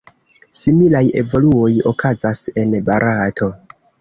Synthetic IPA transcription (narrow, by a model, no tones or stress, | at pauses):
similaje̞̰vo̞luo̞jo̞̰kʰazase̞nbaɾʔatʰo̞